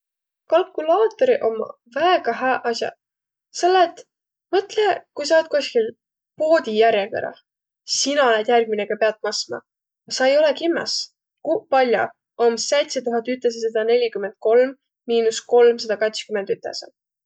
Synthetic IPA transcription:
kɑlkːˑulɑːt̪ːeɾiʔo̞mːɑ̰ | væeɡ̥ɑɦæːʔɑsʲjɑ̰ | selːet̪ːˑ | mɤt̪lekujsɑːt̪̚kosʲkil | po̞ːd̪̥ʲijæɾjekḛɾɑ̰ | sinɑoled̪̥jærɡ̥̚mineɡ̥ɑpe̞ɑt̪̚mɑsmɑ̰ | ɑsɑejo̞lekimːɑ̰s | kupɑlʲjo̰ | ʔomsejt̪set̪uɦɑt̪yt̪ːˑes̬esɑd̪̥ɑne̞lʲikymend̪̥̚ko̞lmː | iːnusko̞lmsɑd̪̥ɑkɑt̪skyme̞nd̪yt̪ːˑesḛ

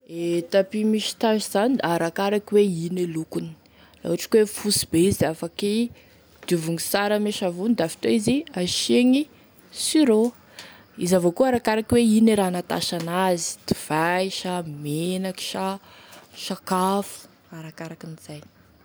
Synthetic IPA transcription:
et̪apimiʃi̥t̪aʃiz̥aniaɾakaɾakiweinelukuni̥ | la̰uaʈ͡ʂi̥kwefusibeizafaki | d̪̥ivuŋisaɾameʃavunid̪afi̥t̪oiziaʃeŋi | siɾo | izavokuaɾakaɾakiweineɾanat̪a̰ʃanazi̥d̪̥iv̥ajʃamenaki̥ʃa | ʃakafu̥ | aɾakaɾakiniz̥aj

